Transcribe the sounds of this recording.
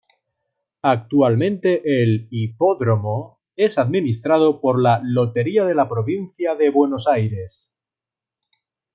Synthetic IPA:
ak̚t̪ualmẽ̞nt̪e̞ʔelipo̞ðɾomo | e̞saðminist̪ɾað̞o̞po̞ɾlalo̞t̪e̞ɾiaðe̞lapɾo̞βinθjaðe̞βwe̞no̞sajɾe̞s

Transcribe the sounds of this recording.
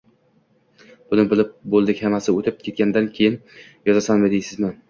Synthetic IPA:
b̥ʊnɪbɪlɪp̚bolˠd̪ɪkʲhamasɪot̪ʰɪp̚kʲʰe̞t̪̚kʲand̪ankʲʰejɪn | jɒzasanmɪd̪ejsɪzmɪ

